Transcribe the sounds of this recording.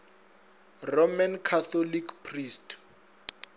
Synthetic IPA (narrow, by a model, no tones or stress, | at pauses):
romankʰat̪ɔlikʰpʰrist